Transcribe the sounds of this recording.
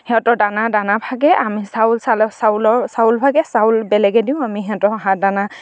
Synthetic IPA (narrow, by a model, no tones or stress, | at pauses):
hɛɔtɔdanadanabʰʱaɡɛʔamisaʊlsalɔsalɔsaulbʱaɡɛsawlbɛlɛɡɛdiʊ̃amiɦɛɔtɔaɦãdana